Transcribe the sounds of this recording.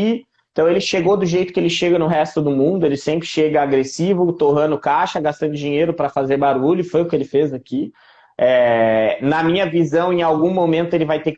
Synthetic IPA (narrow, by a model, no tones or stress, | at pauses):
i | ẽt̪ɐ̃w̃elɪʃeɡod̪ʊʒejt̪ʊkɪelɪʃeɡɐnʊɦɛst̪ʊd̪ʊmũnd̪ʊelɪsẽmpɾɪʃeɡɐaɡɾesivʊt̪oɦɐ̃nʊkaʃɐɡast̪ɐ̃nd̪ʊd͡ʒiɲejɾʊpɾɐfazeɾbaɾuʎʊfojʊkɪelɪfezaki | ɛnɐmĩɲɐvizɐ̃w̃ẽawɡũmomẽnt̪ʊelɪvajt̪ek